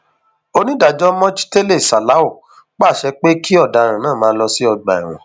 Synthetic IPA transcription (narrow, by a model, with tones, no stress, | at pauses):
o˧nĩ˦da˨d͡ʒɔ˦mɔ̃˦t͡ʃi̥˦te˦le˦˨sa˨la˨˦o˦˨ | k͡pa˦˨ʃɛ˧k͡pe˦ki˦ɔ˦˨da˨ɾ̃ã˨nãː˦˨mãː˦lɔ˧si˦ɔ˧ɡ͡ba̰˨ḭ˨w̃ɔ̰̃˨